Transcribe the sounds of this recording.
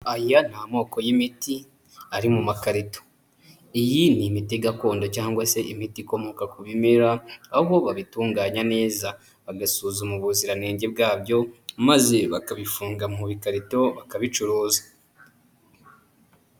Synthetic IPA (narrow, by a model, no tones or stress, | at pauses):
ajan̥hamo̞ːko̞jimiti | aɾimumakaɾito̥ | ijinimitiɡako̞ːndocaːŋɡwase̞ʔimitiko̞mo̞kakuβimiɾaːβo̞βaβituːŋɡaːɲane̞ːza | βaɡasuzumuβuziɾaneːɲɟeb̚ɡaːbjo̞maze̞βakaβifuːŋɡamuβikaɾito̞βakaβit͡ʃuɾuːzḁ